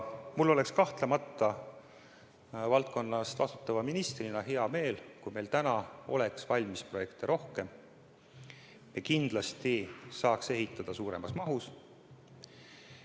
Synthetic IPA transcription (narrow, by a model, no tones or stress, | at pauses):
mulːo̞le̞kskɑht̪lemɑt̪ˑːɑ | vɑlt̪̚ko̞nːɑst̪ɑst̪u̥t̪ːˑɑvɑminist̪rinɑɦeɑme̞ːlkujme̞jlt̪ænɑo̞̰leksvɑlʲmispro̞je̞kt̪eɾo̞hke̞m | jekind̪̥lɑst̪isɑːkse̞ɦit̪ːˑɑd̪̥ɑsuːɾe̞mɑsmɑɦus